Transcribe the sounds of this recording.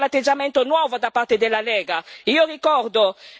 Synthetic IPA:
lat̪ːed͡ʒamɛnt̪onwɔvod̪apːart̪ed̪elːalɛːɡaiːorikɔrd̪o

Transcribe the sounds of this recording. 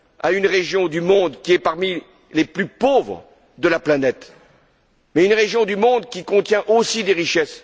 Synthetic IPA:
aynʁeʒjɔ̃d̪ymɔ̃d̪kʲiɛpaʁmi | leplypovʁ | d̪əlaplanɛt̪ | mɛynʁeʒjɔ̃d̪ymɔ̃d̪kʲikɔ̃t̪jɛ̃ʔosid̪eʁiʃɛs

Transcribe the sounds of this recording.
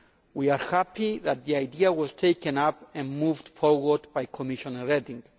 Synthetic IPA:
wiaɹhæpiðat̪̚ðiajd̪iawɔztʰeɪkɨ̃napɛ̃nmuvd̥fɔɹwəd̪bajkʰɔmɪʃɔ̃nəɹɛdĩŋ

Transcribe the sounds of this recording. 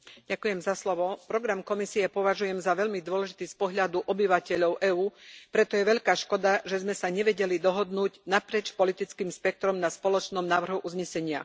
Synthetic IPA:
ɟakujɛmzaslɔʋɔpɾɔɡɾamkɔmisiɛpɔʋaʒujɛmzaʋɛʎmid̪ʊɔlɛʒit̪iːspɔɦʎad̪uʔɔbiʋacɛʎɔʊʔɛːuːpɾɛt̪ɔjɛʋɛʎkaːʃkɔd̪aʒɛzmɛsaɲɛʋɛɟɛlid̪ɔɦɔd̪nuːɟnapɾɪɛt͡ʃpɔlit̪it͡skiːmspɛk̚t̪ɾɔmnaspɔlɔt͡ʃnɔmnaːʋr̩ɦuʔuzɲɛsɛɲɪa̰

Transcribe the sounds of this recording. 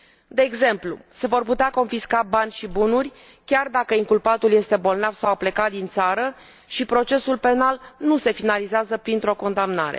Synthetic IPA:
d̪e̞ːɡze̞mplṵse̞vo̞rput̪eako̞nfiskabanʲʃibunurʲ | kʲard̪akəiŋkulpat̪ulje̞st̪e̞bo̞lnavsawaple̞kat̪̚d̪int̪saɾə | ʃipɾo̞t͡ʃe̞sulpe̞nalnuse̞finalizeazəpɾint̪ɾo̞ko̞nd̪amnaɾe̞̰

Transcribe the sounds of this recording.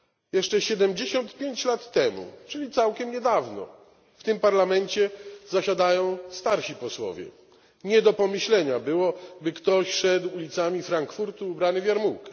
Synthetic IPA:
jɛʂt͡ʂɛɕɛd̪ɛmd͡ʑeɕɔnt̪pʲjeɲt͡ɕlat̪ːɛmṵt͡ʂɘlʲit̪sawkʲɛmɲɛd̪avnɔ̰ | ft̪ɘmpaɾlamɛɲt͡ɕɛzaɕad̪ajɔ̃w̃st̪aɾɕipɔswɔ̰vʲjɛ̰ | ɲɛd̪ɔpɔmɘɕlɛɲabɘwɔbɘkt̪ɔɕʂɛd̪wulʲit̪samʲifɾaŋkfuɾt̪uːbɾanɘvʲjaɾmuwkɛ̥

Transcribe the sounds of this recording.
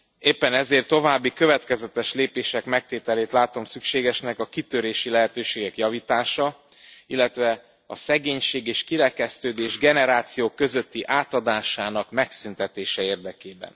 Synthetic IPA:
eːpːɛnɛzeːrt̪ːo̞vaːbːikø̞vɛt̪kɛzɛt̪ɛʃleːpeːʃɛkmɛk̚t̪eːt̪ɛleːt̪laːt̪o̞msykʃeːɡɛʃnɛkɒkit̪øɾeːʃilɛɦɛt̪øːʃeːɡɛkjɒviːt̪aːʃɒ | ilːɛt̪ʋɛ | ɒ̰sɛɡeːɲʃeːɡeːʃkiɾɛkɛst̪øːd̪eːʒɡɛnɛɾaːt̪sijoːkːø̞zøt̪ːiʔaːt̪ɒd̪aːʃaːnɒkmɛksynt̪ɛt̪eːʃɛeːrd̪ɛkeːbɛ̰n

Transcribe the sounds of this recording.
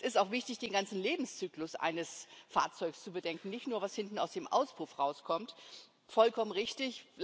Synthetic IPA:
sɪstaʊxv̥ɪçtɪçd̥eːnɡant͡sn̩leːbm̩st͡syːklʊsʔa̰ɪnəsfa̰ːɐt͡sɔʏkst͡subədɛŋkn̩nɪçtnuːɐvashɪntn̩a̰ʊsd̥eːmʔa̰ʊsb̥ʁ̥ufʁaʊskʰɔmt | fɔlkʰɔmənʁɪçtɪç

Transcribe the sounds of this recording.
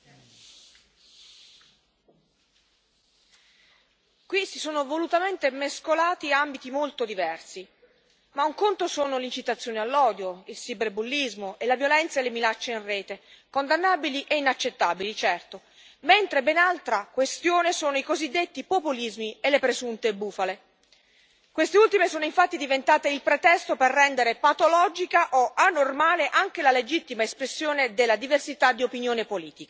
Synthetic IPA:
kwisisoːnovolut̪ament̪emeskolaːt̪iambit̪imolt̪od̪ivɛrsi | mauŋkont̪osoːnolint͡ʃit̪at̪sːjoːnialːɔːd̪joilsibɾbulːizmoʔelavjolɛnt̪saelːeminat͡ʃːeinreːt̪ekond̪anːaːbiliʔeinat͡ʃːet̪ːabilit͡ʃɛrt̪o | ment̪ɾebenalt̪ɾakwest̪joːnesoːnoikozid̪ːet̪ːipopulizmielːepɾezunt̪ebːuːfale | kwest̪eult̪imesoːnoiɱfat̪ːid̪ivent̪aːt̪eilpɾet̪ɛst̪operːɛnd̪eɾepat̪olɔd͡ʒikaʔoanːormaːleʔaŋk̟elaled͡ʒit̪ːimaespɾesːjoːned̪elːad̪iversit̪ad̪ːiopinjoːnepoliːt̪ika

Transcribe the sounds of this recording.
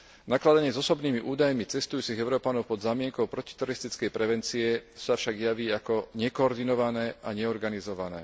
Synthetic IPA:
naklad̪aɲɪɛzɔsɔbniːmiʔuːd̪ajmit͡sɛst̪ujuːt͡siɣɛʊɾɔːpanɔʊpɔd̪zaːmɪɛŋkɔʊpɾɔci̥t̪ɛɾɔɾist̪it͡skɛjpɾɛʋɛnt͡siɛsafʃaɡjaʋiːakɔɲɛkɔɔɾd̪inɔʋanɛːaɲɛɔɾɡanizɔʋanɛ̰ː

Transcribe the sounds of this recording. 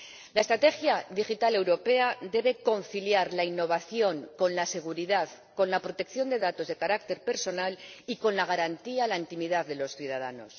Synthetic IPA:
lae̞st̪ɾat̪e̞xjaðixit̪ale̞wɾo̞pe̞ad̪e̞βe̞ko̞nθiljaɾlainːo̞β̞aθjo̞ŋko̞nlase̞ɣ̞uɾiðað | ko̞nlapɾo̞t̪e̞kθjo̞nd̪e̞ðat̪o̞zðekaɾak̚t̪e̞ɾpe̞ɾso̞naliko̞nlaɣ̞aɾant̪ialaint̪imiðaððe̞lo̞sθjuð̞aðano̞̰s

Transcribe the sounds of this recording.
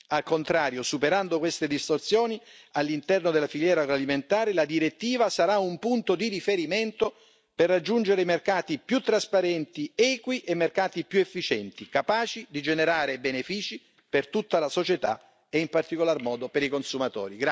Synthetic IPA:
alkont̪ɾaːɾjosupeɾand̪okwest̪ed̪ist̪ort̪sjoːnialːint̪ɛrnod̪elːafiljɛːɾaɡɾoaliment̪aːɾelad̪iɾet̪ːiːvasaɾaumpunt̪od̪iɾifeɾiment̪o | perːad͡ʒːund͡ʒeɾeimerkaːt̪ipjut̪ːɾaspaɾɛnt̪iɛːkwiʔemːerkaːt̪ipjuefːit͡ʃɛnt̪ikapaːt͡ʃid̪id͡ʒeneɾaːɾebenefiːt͡ʃi | pert̪ut̪ːalasot͡ʃet̪a̰ | eimpart̪ikolarmɔːd̪opeɾikonsumat̪ɔ̰ːɾiɡɾa

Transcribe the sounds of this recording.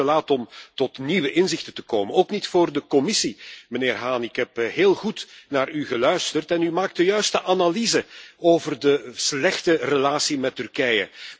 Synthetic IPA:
əlaːtɔmtɔtniʋəʔɪnzɪxtətə̥koːmənoːknitfoːrdəkɔmɪsiməneːrɦaːnɪkɦɛpɦeːlˠɣutnaːryɣəlœɥstərtɛnymaːk̚t̚dəjœɥstəʔanalizəoːvərdəslɛxtərəlaːsimɛtːʏrkɛjə̰

